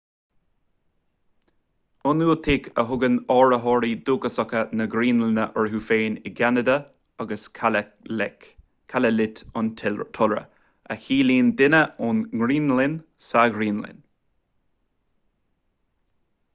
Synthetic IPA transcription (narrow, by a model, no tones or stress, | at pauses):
ʊnuːt̪ʰɪkʰəɦʊɡənɔːɹəɦɔːɹiːd̪uːɡəsɔkənəɡɾiːnlɪnəʔɔɹɦuːfeːnɪɡanəd̪ə | aɡəsk | kʰaləlɪt̪ʊntʰʊlɹə̰ | axiːliːnd̪ɪnəʊnŋɾiːnlɪnsaɡɾiːnlɪ̰n